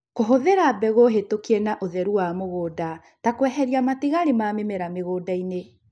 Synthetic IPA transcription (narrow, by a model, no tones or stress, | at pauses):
koɦoðeɾaːbɛɣoɦetokiɛnaʔoðɛɾuwamoɣoːda | takwɛɦɛɾiamatiɣaɾimamemɛɾameɣoːdaine